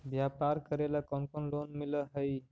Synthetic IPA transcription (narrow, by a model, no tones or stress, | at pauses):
bjapaɾkəɾelakɔnkonlonmiləɦəj